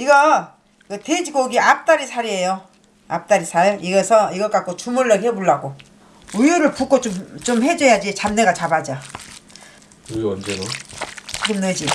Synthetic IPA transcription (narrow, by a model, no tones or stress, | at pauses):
iɡʌ | kɯted͡ʑiɡoɡiap̚t͈aɾisʰaɾie̞jo | ap̚t͈aɾisʰajoʔiɡesʰʌiɡʌk͈ak͈ʰot͡ɕumuɭːʌheboɭːaɡo | ujuɾɯɭpuk͈ʰot͡ɕomt͡ɕomhe̞d͡ʑʌjad͡ʑit͡ɕamne̞ɡat͡ɕabad͡ʑa | ɯwʌnd͡ʑeɾot͡ɕiɡɯmnɯd͡ʑi